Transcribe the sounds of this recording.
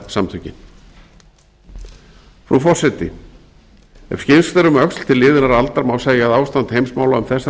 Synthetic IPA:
samt̪ʰʏcɪn | fɾufɔr̥sɛt̪ɪ̰ | ɛ̰v̥scɪnst̪ɛɾʏmœksl̥t̪ʰɪlːɪːðɪnaɾalt̪aɾmaːwseːjaaðaːwst̪ant̪hejmsmaːwlaʏmθɛsːa

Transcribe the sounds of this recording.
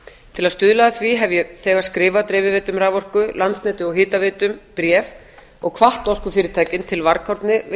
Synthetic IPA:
t̪ʰɪlaðst̪ʏðlaðaθviɦɛvjɛθɛːɣaðskɾɪːvat̪ɾɛːvɪvɛːt̪ʏmraːvɔr̥kʏlant̪snɛːt̪ɪɔɦɪːt̪avɪːt̪ʏmpɾjɛːv | ɔɣkʰvaht̪ɔl̥kʏfɪːɾɪɾt̪ʰaːjcɪnt̪ʰɪlvaɾkʰawɾt̪nɪ

